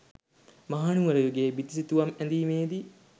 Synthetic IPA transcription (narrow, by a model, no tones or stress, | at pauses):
mɐɦaːnuʋɐɾɐjoɡeːbit̪isit̪uʋɐmænd̪iːmeːd̪i